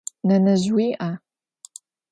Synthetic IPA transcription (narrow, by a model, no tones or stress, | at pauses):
nɐnɐʑwiːʔa